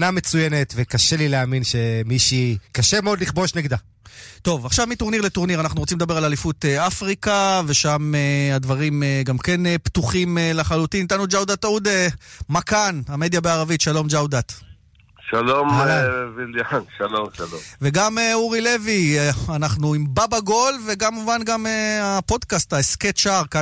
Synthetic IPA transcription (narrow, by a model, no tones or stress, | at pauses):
name̞t͡sujenet̪vekaʃelileaːminʃe̞miʃikaʃemeod̪liχbo̞ʃneɡd̪a | t̪o̞vaχʃavmit̪oʁniʁlet̪oʁniʁanaχnuʁot͡simed̪abe̞ʁalalifut̪eafʁikave̞ʃamead̪vaʁimeɡamke̞neptuχimelaχalut̪init̪anud͡ʒawd̪at̪ud̪emakaname̞d̪jabeaʁavit̪ʃalo̞md͡ʒawd̪at̪ | ʃalomaviljanʃalomʃaloveɡameuʁile̞vianaχnuimbabaɡo̞lve̞ɡamːuvanɡameapo̞d̪kast̪aesket̪ʃaʁka